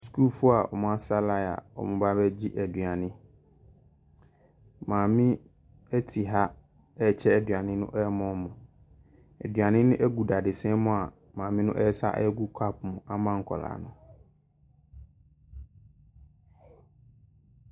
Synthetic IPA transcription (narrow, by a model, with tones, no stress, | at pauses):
sku˦lfʊ˦a˨ʔɔ̰˨mʊ̃˦a˦sa˦la˦˨a̰˨ɔ̰˨mʊ̃˨ba˦bɛ˦d͡ʑi˦ʔæ˨dɥa˨nɪ̃˦ | mãː˨mɪ̃˦ | ɛ˦tʰi˨ɦa˦ | ɛ˦˨t͡ɕʰɛ˦ɛ˨dɥa˨nɪ̃˦nʊ̰̃˦ʔɛ˦mɔ̃˦mʊ̃˨ | ɛ̰˨dɥa˨nɪ̃˦nʊ̃˦ʔɛ˦ɡu˨da˨dɪ˨sɛ̃˦mʊ̃˨a˨ | mãː˨mɪ̃˦nʊ̃˦ʔɛ˦sa˦ʔɛ˦ɡu˦kʷʰa˦p̚mʊ̃˨ʔa˦mã˦ŋ̩˨kʰɔ̰˨la̰ː˨nʊ̃˨